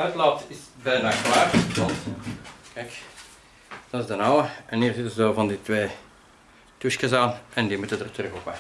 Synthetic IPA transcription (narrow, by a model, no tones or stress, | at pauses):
œɥtlɔp̚tɪsbɛjnaːklaːrɔntkɛjk | d̥ɑtɪzdənɑwəɛnhiːrzɪtənzdoːvɑnditʋeː | tuʃkəzaːnʔɛndimutədərtrɵxopə